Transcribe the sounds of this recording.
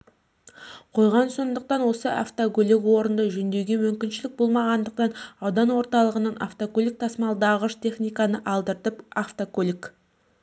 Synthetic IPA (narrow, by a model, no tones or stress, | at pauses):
qʰo̞jʁɑnso̞nd̪əq̚t̪ɑnwo̞səʔa̰ft̪okolʲɪkwo̞ɾənd̪əʒɵnd̪e̞wɡʲe̞mʏmkʲɪnʃɪlɪk̚bo̞lˠmɑʁɑnd̪əq̚t̪ɑnɑwd̪ɑnwo̞ɾt̪ɑlˠəʁənɑnʔa̰ft̪okolʲik̚t̪ʰɑsmɑlˠd̪ɑʁəʃt̪ʰe̞χnijkɑnəʔɑlˠd̪əɾt̪əpaft̪okolʲik